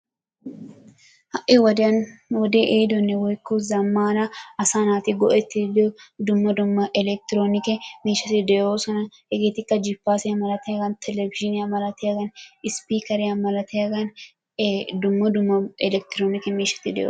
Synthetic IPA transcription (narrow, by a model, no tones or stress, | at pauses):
hɐʔɪwɔd̪ɐnwɔd̪eːʔeːd̪ɔnːɛwɔjkːuzɐmːaːnɐɐsaːnaːt̪ɪɡɔʔɛt̪ːɪd̪od̪ʊmːɐd̪ʊmːɐʔɛlɛk̚t̪ɪɾoːnɪkɛmeːʃɐt̪ɪd̪ɛjoːsɔnɐhɛɡeːt̪ɪkːɐd͡ʒɪpːaːsɪjɐmɐlɐt̪ɛjɐɡɐnt̪ʰɛlɛvɪd͡ʒɪnɪjɐmɐlɐt̪ɛjɐɡɐnɪspiːkɐɾɪjɐmɐlɐt̪ɛjɐɡɐn | d̪ʊmːɐd̪ʊmːɐɛlɛk̚t̪ɪɾoːnɪkɛmeːʃɐ̥t̪ːɪd̪ɛ̰jo̰ː